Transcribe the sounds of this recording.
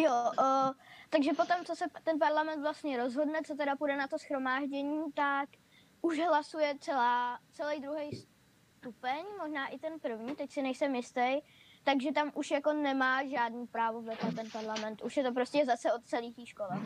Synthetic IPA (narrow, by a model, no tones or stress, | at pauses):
jo | t̪aɡʒɛpo̞t̪o̞mt͡so̞sɛt̪ɛnp̬aɾlamɛnt̪vlast̪ɲɛɾo̞zɦo̞dnɛt͡so̞t̪ɛɾapudɛnat̪o̞sxɾo̞maːʒɟɛɲiːt̪ak | ʔuʒɦlasujɛt͡sɛlaːt͡sɛlɛjd̪ɾuɦɛjs | t̪upɛɲmo̞ʒnaːʔɪt̪ɛnpr̩vɲiːt̪ɛcsɪnɛjsɛmjɪst̪ɛj | t̪aɡʒɛt̪amʔuʃjako̞nɛmaːʒaːdnuːpɾaːvovlɛt̪ɛt̪ɛnpaɾlamɛnt̪ʔuʃjɛt̪o̞pɾo̞scɛzasɛo̞t̪̚t͡sɛliːxt̪iːʃkolɛ